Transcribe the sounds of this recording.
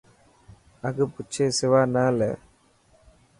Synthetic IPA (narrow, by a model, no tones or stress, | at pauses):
ɐkɯput͡ʃːesɪʋaːnaːlɛ